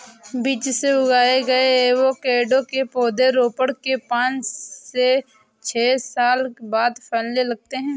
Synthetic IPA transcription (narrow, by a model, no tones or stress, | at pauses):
biːt͡ʃseʊɡaːeɡɐeʋokeːɖõkepoːd̪eɾoːpəɽkepãːt͡ʃse | t͡ʃʰeːsaːlkbaːd̪pʰɛːllelɐɡ̚t̪eɦɛ̃ː